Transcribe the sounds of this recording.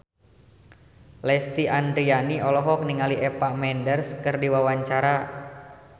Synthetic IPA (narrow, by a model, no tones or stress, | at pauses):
lɛst̪iʔand̪ɾianiʔɔlɔɦɔk̚niŋaliʔɛpamɛndərskɨrdiwawaɲt͡ʃaɾa